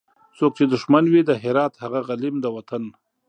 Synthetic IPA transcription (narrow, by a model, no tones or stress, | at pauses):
soːk̚t͡ʃed̪ʊʂmanwid̪əɦɪɾɑːt̪haɣaɣalimd̪əwat̪an